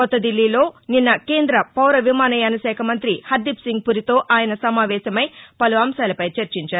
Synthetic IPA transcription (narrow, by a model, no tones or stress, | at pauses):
kɔt̪ːɐd̪ilːiːlo̞ːninːɐkeːnd̪ɾɐpɐwɾɐʋimaːnɐjɐnɐsɛːkʰɐmɐnt̪ɾihɐd̪ːipsiŋɡ̚puɾit̪o̞ːʔaːjɐnɐsɐmaːʋɛːʃɐmɐjpɐluɐmsaːlɐpɐjt͡ʃɐɾt͡ʃiɲt͡ʃaːɾu